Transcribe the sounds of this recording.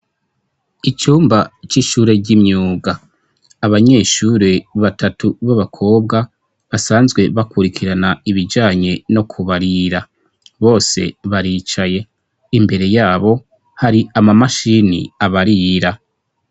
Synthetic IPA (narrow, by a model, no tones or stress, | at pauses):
it͡ʃuːmbat͡ʃiʃuːɾe̞ɟimɲuːɡaː | βaɲe̞ːʃuːɾe̞βatatʰuβaβakʰo̞ːb̚ɡa | βasaːnzɡwe̞βakuɾikʰiɾanaiβid͡ʒaːɲe̞no̞kʰuβaɾiɾa | βo̞ːse̞̰βaɾit͡ʃaje̞ | imbe̞ɾe̞jaːβo̞ | haɾiamamaʃinḭaβaɾiɾa